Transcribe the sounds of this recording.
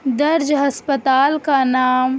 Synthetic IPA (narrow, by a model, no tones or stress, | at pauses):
d̪ɐɾd͡ʒɦɐspət̪aːlkanaːm